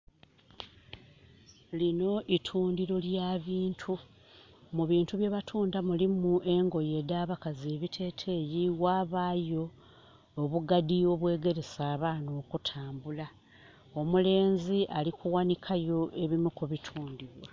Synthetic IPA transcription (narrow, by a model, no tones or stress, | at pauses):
lino̞ʔitʰuːndiɾo̞ljaβiːntʰu | muβiːntuβje̞ːβatʰuːndamulimuʔe̞ŋɡo̞je̞daːβakazie̞ːβitʰe̞ːtʰe̞jiwaːβaːjo̞ː | βuɡadio̞βwe̞ːɡe̞ɾe̞saːβaːno̞ːkutʰaːmbula | o̞mule̞ːnziʔalikʰuwanikʰajo̞ʔe̞βimukuβitʰuːndiβwa